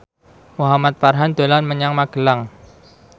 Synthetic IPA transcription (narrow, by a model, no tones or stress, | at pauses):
muɦamat̪̚farɦand̪̥o̤lanməɲaŋmaɡ̥əlaŋ